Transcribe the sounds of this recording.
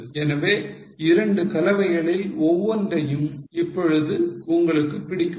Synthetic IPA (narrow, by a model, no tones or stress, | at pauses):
ɛnɐʋeː | ɪɾɐɳɖɯkɐlɐʋɐɪɣɐɭɪlɔʋːɔndrɐjɯmɪpːɔɻɯðɯʊŋɡɐɭɯkːɯpːɪɽɪkː